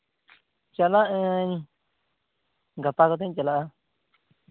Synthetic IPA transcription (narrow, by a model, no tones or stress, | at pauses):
t͡ʃalaɨ̃ɲ | ŋɡap̪akot̪ẽt͡ʃalaʔa